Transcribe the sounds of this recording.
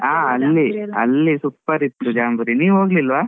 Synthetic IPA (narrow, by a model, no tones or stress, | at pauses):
aːɐlːiɐ̰lːisupːɐɾit̪ːud͡ʒaːmbuɾiniːʋɦoːɡlilːʋaː